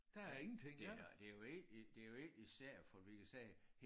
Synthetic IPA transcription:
d̥æeŋn̩t͡sʰeŋ̰d̥ed̥e̝jo̝eɡ̥d̥e̝joeɡ̥isæɐ̰fɒd̥ʋikʰæsɛːh

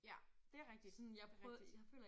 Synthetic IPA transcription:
jæd̥e̝æɐʁɛɡ̥̚d̥i̥sɔnjɑ̈pʰʁœðd̥ijɑfø̰ːlɐ

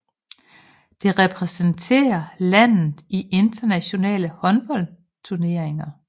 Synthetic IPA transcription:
d̥e̝ʁɛpʰʁɛsənt͡sʰe̝̰ːɐlæn̰ð̩ˠiʔe̝nd̥ɐnæɕo̝nɛ̰ːləhɒ̽nb̥ɒ̽l̰ | t͡sʰuɐne̝ɐ̰eŋɐ

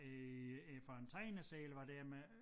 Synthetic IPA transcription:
fɒent͡sʰɑɪnəsɛːlʋɑ̈d̥æɐme

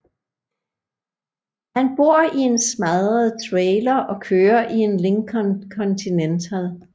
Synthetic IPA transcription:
hænb̥o̝ɐ̰ie̝nsmæðˠʁəð̩ˠt͡sʰʁɛːlɐʔɒ̽kʰøːɐʔie̝nle̝ŋkʰnkʰɒnt͡sʰinent͡sʰælˠ

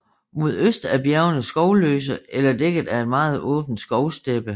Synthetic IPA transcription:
mo̝ð̞ˠøsd̥æɐb̥jæɐʊnəsɡ̥ɒʊlø̰ːs̬əelɐd̥eɡ̥əð̩ˠæe̝d̥mɑ̈ːð̞̩ˠɔ̰̽ːb̥n̩d̥sɡ̥ɒʊsd̥eb̥ə

